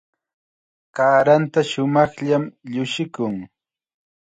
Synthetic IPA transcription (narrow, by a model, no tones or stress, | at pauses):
kaːɾant̪aʃʊmɑχʎamʎʊʃɪkʊŋ